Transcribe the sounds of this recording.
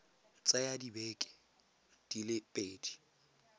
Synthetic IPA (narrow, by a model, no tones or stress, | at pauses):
t͡sʼajadibɛːkʼɛ̥ | d̥ilɪpʼeːdi̥